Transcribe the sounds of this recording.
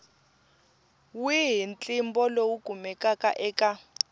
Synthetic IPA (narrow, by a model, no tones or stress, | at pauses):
wiɦint͡ɬʼimbɔlowuɡ̥ʱumɛkʼakaʔɛːkʼa